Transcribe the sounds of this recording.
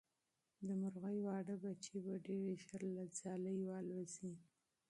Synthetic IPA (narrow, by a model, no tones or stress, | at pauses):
d̪əmʊɾɣəjwɑɖəbat͡ʃebaɖeɾeʃaɾlad͡zɑləjwɑlwazi